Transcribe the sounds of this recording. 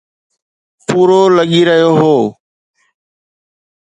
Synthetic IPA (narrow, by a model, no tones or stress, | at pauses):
puːɾoːləɠiːɾəɦijoːɦoː